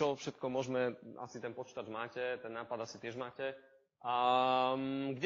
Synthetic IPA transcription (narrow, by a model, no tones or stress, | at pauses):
ɔfʃɛt̪kɔmʊɔʒmɛa̰sit̪ɛnpɔt͡ʃi̥t̪ad͡ʒmaːcɛt̪ɛnːaːpad̪asit̪ɪɛʒmaːcɛ | ɡɟ